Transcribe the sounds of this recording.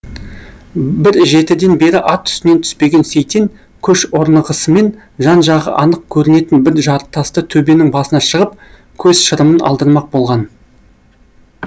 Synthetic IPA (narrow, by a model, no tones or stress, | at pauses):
bɪɾʒe̞t̪ɪd̪e̞nbe̞ɾɪʔɑt̪ʰːʏ̥st̪ɪne̞nt̪ʰʏ̥spe̞ɡʲe̞nsejt̪eŋ | kʲʰɵʃoɾnəʁəsəme̞n | ʒɑnʒɑʁə̰ʔɑnəq̚kʲʰɵɾɪne̞t̪ɪnbɪɾʒɑɾt̪ʰːɑst̪ət̪ʰɵbe̞nɪŋbɑsənɑʃəʁəp̚ | kʲʰɵz̥ʃəɾəmənɑ̰lˠd̪əɾmɑq̚bo̞lˠʁɑn